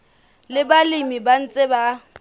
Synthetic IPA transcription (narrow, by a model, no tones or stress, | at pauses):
lɪbalimiban̩t͡sʼɪba